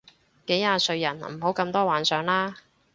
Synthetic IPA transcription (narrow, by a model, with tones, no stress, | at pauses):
ke˨˥jhaː˧sɵ˧ɥjɐ˨˩nm̩˨˩ho˨˥wkɐ˧mt̪ɔː˥waː˨˥nsœː˨˧ŋlaː˥